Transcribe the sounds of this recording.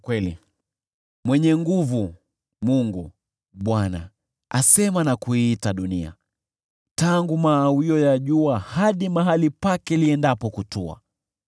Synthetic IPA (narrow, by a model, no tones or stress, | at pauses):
kwɛli | mwɛɲɛŋɡuvu | muŋɡu | ɓwana̰ | asɛmanakuiːtaɗunia̰ | taŋɡumaːwiɔjaʄuahaɗimaɦalipakɛliɛndapɔkutua̰